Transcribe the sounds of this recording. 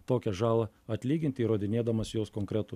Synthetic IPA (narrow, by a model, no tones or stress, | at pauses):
t̪oːkʲɛʒɑːlˠɐ | ɐt̪ʲlʲiːɡʲɪnʲt̪ʲɪːɾoːd̪ʲɪnʲeːd̪ɐmɐsjoːskoːŋkɾʲɛt̪ʊ